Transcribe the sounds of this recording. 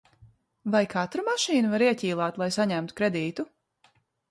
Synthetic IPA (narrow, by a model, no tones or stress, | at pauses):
vajkʰat̪ɾumaʃiːnuvaɾiɛcʲiːlˠaːt̪lˠajsaɲæmt̪u̥kɾed̪iːt̪u